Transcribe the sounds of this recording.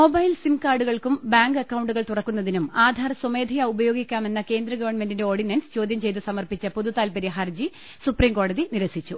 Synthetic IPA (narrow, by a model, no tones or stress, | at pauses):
mobɐjlsimkaːrɖuɣɐɭkumbaːŋɡɐkːɐwuɳɖuɣɐɭt̪uɽɐkːunːɐðinumaːd̪ʱaːɾɐsomeːd̪ʱijɐubɐjo̞ːɡikʲːaːme̞nːɐke̞ːnd̪ɾɐɡɐʋɐrɳmendinde̞o̞ːrɖinɐːnst͡ɕo̞ːd̪jɐmt͡ɕe̞jt̪̬ɨsɐmɐrpit͡ɕːɐpoðut̪aːlpɐɾjɐɦɐrd͡ʑi | supriːmko̞ːɽɐðiniɾɐsit͡ɕːu